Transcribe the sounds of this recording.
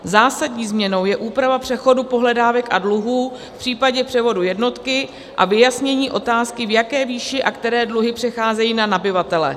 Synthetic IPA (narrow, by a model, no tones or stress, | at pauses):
zaːsadɲiːzmɲɛno̞wjɛʔuːpɾavapr̝̥ɛxo̞dupo̞ɦlɛdaːvɛkʔadluɦuː | fpr̝̥iːpaɟɛpr̥ɛvo̞dujɛdno̞t̪kɪ | ʔa̰vɪjasɲɛɲiːʔo̞t̪aːskɪvjakɛːviːʃɪʔakt̪ɛɾɛːdluɦɪpr̝̥ɛxaːzɛjiːnanabɪvat̪ɛlɛ̰